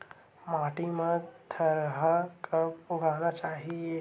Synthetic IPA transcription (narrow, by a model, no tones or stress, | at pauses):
maːʈimet̪ʰəɾɦəkəbʊɡʱaːnat͡ʃaːɦie